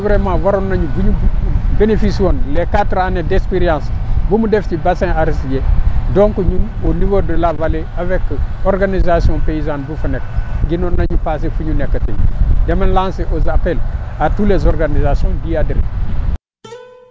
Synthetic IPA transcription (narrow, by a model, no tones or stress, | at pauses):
vɾemãvaɾonːaɲuvuɲubenefiswonlekatɾanedekspeɾijãnsbumudeftibasẽaɾisjedõŋkuɲumonivodəlavaleavekːoɾɡanizasiõpeizãnbufunek̚ɡinonːaɲupas̬efuɲunekːətḛm̰demanlãnseʔozapelatulezoɾɡanizasiõndiadɾḛ